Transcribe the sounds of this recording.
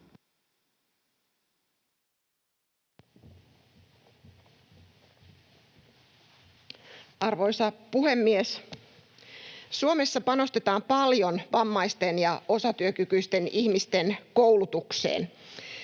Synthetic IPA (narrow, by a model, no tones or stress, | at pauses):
ʔɑrʋo̞jsɑpuhe̞mːies | suome̞sːɑpɑno̞st̪e̞t̪ɑːmpɑljo̞nʋɑmːɑjst̪e̞njɑʔo̞sɑt̪yøkykyjst̪e̞niçmist̪e̞nkowlut̪uksḛːn